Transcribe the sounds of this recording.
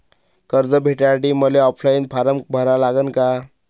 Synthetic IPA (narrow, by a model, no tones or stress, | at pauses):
kəɾd͡zəbʱeʈjaʈiməleɔpʰlainpʰaɾəmbʱəɾalaɡənka